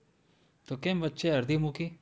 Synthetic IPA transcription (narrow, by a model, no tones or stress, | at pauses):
t̪okembətːʃeɐɾd̪imuki